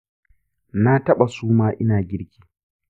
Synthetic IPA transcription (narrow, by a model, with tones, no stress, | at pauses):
na˦tɐ˦ɓa˨suː˦maː˦ʔɪ˦naː˨ɡʲɪ˦ɾkʲi̥ː˦